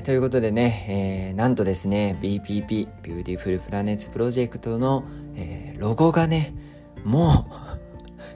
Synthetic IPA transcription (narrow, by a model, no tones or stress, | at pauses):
t̪o̞jɯ̟ko̞t̪o̞d̪e̞ne̞eːnãnt̪o̞d̪e̞sɨne̞bʲiːpʲiːpʲiːb̥ʲɯt̪ʲiɸɯ̟ɾɯ̟pɯ̟ɾanet͡sɨ̥pɯ̟ɾo̞ʑe̞kɯ̟̥t̪o̞no̞eːɾo̞ɡo̞ɡane̞ | mo̞ː